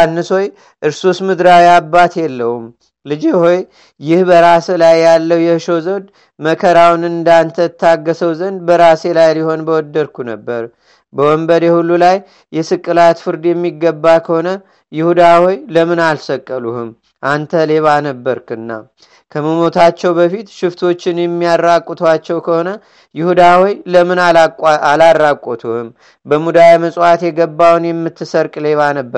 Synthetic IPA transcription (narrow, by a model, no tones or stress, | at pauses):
anːɨso̞j | ʔɨɾsusmɨd̪ɾawiabːat̪jɛlːəhum | lɨd͡ʒeho̞j | jɪhbəɾaslajːalːəwjɛhʃo̞zəd̪ | məkʰəɾawnɨnd̪ant̪ʰət̪ʰːaɡːəsəwzənd̪bəɾase̞lajliho̞nbəwɔd̪ːəɾkʰunəbːəɾ | bəwɔmbəd̪ehulːulajː | ɛsɨkʼːɨlat̪fɨɾd̪jɛmːiɡːəbːakʰəho̞nə | jɪhud̪awɔjləmɨnalsəkʼːəluhɨm | ʔant̪ʰəle̞βanəbːəɾkʰɨnːa̰ | kʰəməmo̞t̪ʰat͡ʃːɛwbəfit̪ʃɪft̪ʰo̞t͡ʃːɪnjɛmːijarːakʷʼːɔt̪ʰwat͡ʃːɛwkʰəho̞nə | jɪhud̪awɔjləmɨnaalarːakʷʼɔt̪ʰuhɨm | bəmud̪ajaməsʼwat̪jɛɡəbːawnjɛmːɨt̪ːɨsəɾkʼle̞βanəbːəɾ